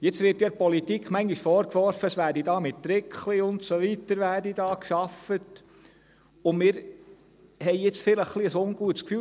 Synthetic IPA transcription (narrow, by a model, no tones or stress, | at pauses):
jɪt͡sʋɪɾtjɑpɔlitikχmæŋɡiʃfɔːɾkʋɔɾfəsʋæːɾdidɑːmɪtːɾɪkʰχliʊntsoʋitəɾʋæːɾdidɑːkʃɑfət | ʊmɪːɾ | hɛɪjɪt͡sfɪləχːliəsʊŋɡ̥uətskfyː